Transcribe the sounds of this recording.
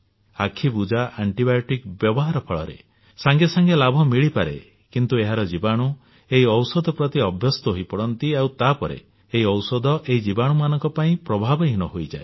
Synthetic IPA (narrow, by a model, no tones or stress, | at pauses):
a̰kʰibud͡ʒaʔaɳʈibajoʈikbjɔbɔɦaɾɔpʰɔɭɔ̰ɾḛ | saŋɡesaŋɡelabʱɔmiɭipaɾḛ | kint̪ueɦaɾɔd͡ʒibaɽ̃u | eɦiɔwsɔd̪ʱɔpɾɔt̪iɔbʱjɔst̪ɔɦojpɔɽɔnt̪iawt̪apɔɾḛ | eɦiɔwsɔd̪ʱɔʔeɦid͡ʒibaɽ̃umanɔŋkɔpaĩpɾɔbʱabɔɦiñɔɦojd͡ʒa̰e